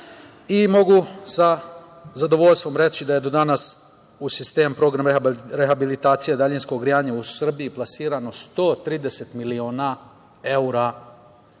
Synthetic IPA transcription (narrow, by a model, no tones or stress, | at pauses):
imo̞ɡusa | zad̪o̞ʋo̞ʎʲst̪ʋo̞mɾe̞t͡ɕid̪aje̞d̪o̞d̪anas | usist̪e̞ːmpɾo̞ɡɾamɾexabilit̪aːt̪sijed̪aʎinsko̞ɡɾijaːɲausr̩bijiplˠasiːɾano̞st̪o̞ːt̪ɾiːd̪e̞se̞t̪milioːna | e̞uɾa